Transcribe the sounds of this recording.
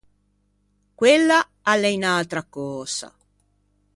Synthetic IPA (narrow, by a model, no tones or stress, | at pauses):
kwelːa | alːeinalt̪ɾakɔːsa̰